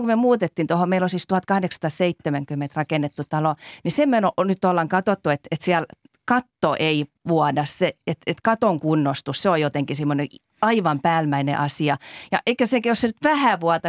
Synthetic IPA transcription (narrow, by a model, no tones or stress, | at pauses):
komyømuːt̪et̪ːint̪ohomeilosist̪uhɑt̪̚kɑhɑdekst̪ɑːsseit̪ːemæŋkymːent̪rɑkenːet̪ːut̪ɑlonisemenonyt̪ːolːɑŋkɑt̪ot̪ːuet̪et̪siæl | kɑt̪ːoʔeiʋuɑdɑsseet̪et̪kɑt̪oŋkunːost̪usseojot̪eŋkisimːone | ɑiʋɑmpæːlmæinḛʔɑsiɑjɑ̰ʔeikːæsekæjossenyt̪ʋæhæʋuɑt̪ɑ